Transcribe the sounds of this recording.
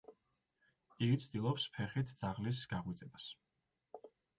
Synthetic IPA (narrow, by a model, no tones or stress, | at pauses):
iɡit̪sʰd̪ilˠɔpspʰɛχit̪ʰd̪z̥aʁlis̬ɡ̥aʁwit̪sʼɛbas